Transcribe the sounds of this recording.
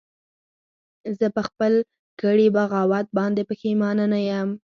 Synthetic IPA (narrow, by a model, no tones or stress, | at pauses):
zəpəxpəl | ɡ̥əɽibaɣɑwat̪̚bɑnd̪epəxemɑnənajəm